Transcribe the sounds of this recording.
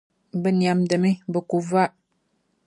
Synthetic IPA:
bə˦nja˨mdə˨mi˦bə˨ku˨va˦ʔ

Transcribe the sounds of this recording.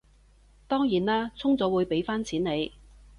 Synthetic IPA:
t̪ɔː˥ŋjiː˨˩naː˥t͡sʰʊ˥ŋt͡sɔː˨˥wuː˨˧jpe˨˥jfaː˥nt͡sʰiː˨˥ne˨˧j

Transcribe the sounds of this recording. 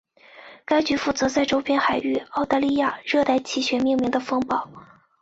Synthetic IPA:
ka˥ɪt͡ɕy˧˥fu˥˩t͡sɤ˧˥t͡sa˥˧ɪʈ͡ʂo˥ʊpʰjɛ˥nxa˨˩ɪy˥˩ɑ˥˧ʊt̪a˥˧li˥˧ja˥˩ɻɤ˥˧t̪a˥˧ɪt͡ɕʰi˥˩ɕɥɛ˧˥mi˥˧ŋmi˧˥ŋd̪ə˧fɤ˥ŋpɑ˥˩˦ʊ

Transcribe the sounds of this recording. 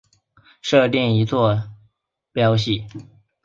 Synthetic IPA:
ʂɤ˥˧t̪ɛ˥˩ni˧˥t͡swɔ˥˩ | pjɑ˥ʊɕ̬i˥˩

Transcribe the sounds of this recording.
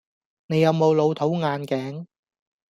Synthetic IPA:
ne˨˧jːɐ˨˧wmo˨˧wlo˨˧wt̪ʰo˨˥wŋaː˨˧nkɛː˨˥ŋ

